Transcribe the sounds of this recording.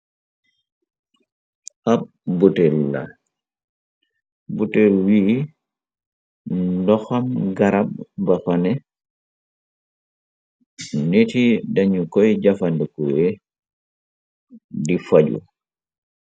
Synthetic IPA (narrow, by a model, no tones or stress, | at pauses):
ʔab̚ | butɛlːa̰ | butɛlwi | dɔxamɡaɾabːapanɛ | netidaɲukɔjd͡ʒafandəkue | difaɟṵ